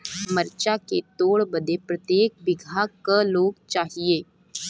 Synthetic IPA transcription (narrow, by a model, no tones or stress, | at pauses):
məɾt͡ʃaːkeːt̪oːɭbəd̪eːpɾət̪jeːk̚bɪɡʱaːkəloːkt͡ʃaːɦieː